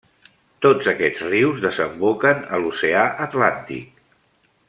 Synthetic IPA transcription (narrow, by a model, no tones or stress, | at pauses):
t̪od͡zəkɛd͡zriwzðəzəmbokənə̰luseaʔət̪lant̪ḭk̚